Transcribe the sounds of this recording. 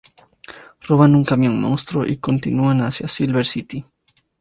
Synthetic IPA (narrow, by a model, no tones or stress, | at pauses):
roβanuŋkamjoŋmõwst̪ɾoʔikont̪inuanasjasilβeɾsit̪i